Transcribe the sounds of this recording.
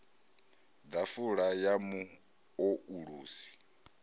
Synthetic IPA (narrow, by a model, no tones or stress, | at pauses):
d̪afuɺajamu | ouɺuːsi̥